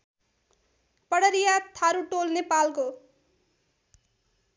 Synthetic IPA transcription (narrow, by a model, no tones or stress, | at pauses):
pʌɽʌɾijat̪ʰaɾuʈolnepalko